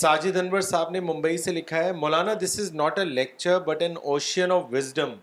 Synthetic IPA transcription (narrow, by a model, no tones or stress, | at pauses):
saːd͡ʒid̪ʱɐnʋəɾsaːbnemʊ̃mbəiselɪkʰaɦɛmɔːlaːnad̪ɪsɪznɔːʈəlɛk̚t͡ʃəɾbɐʈɛ̃noːʃə̃nɔʋːɪzɖə̃m